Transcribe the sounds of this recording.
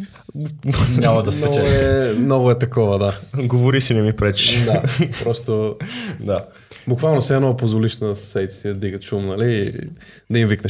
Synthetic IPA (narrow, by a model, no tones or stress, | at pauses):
ɲamɐd̪ɐsp̪ɛɔɡt͡ʃɛlɛmnɔɡʊɛt̪ɐkɔvəd̪aɡovoɾisinɛmipɾɛt͡ʃʃd̪apɾɔst̪od̪a | bukvalˠnosɛɛnɔpozvoliʃnəd̪ssɛt̪ɛ̥sid̪ɐd̪iɡəʃumnɐli | d̪ɐimviknɐʃ